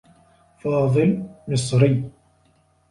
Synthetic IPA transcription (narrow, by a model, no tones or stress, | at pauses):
fɑːðˤɨlmɪsˤɾɪ